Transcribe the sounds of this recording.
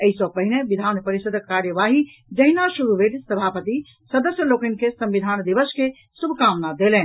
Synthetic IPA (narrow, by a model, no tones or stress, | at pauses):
əɦisɔpəɦineʋid̪ʱanpəɾisəd̪ʱkaɾjəʋaɦi | d͡ʒəɦinaʃuɾubʱeʈsəbʱapət̪i | səd̪əsjəlokənkʰesə̃mʋid̪ʱand̪iʋəske | subʱkamnad̪elɛn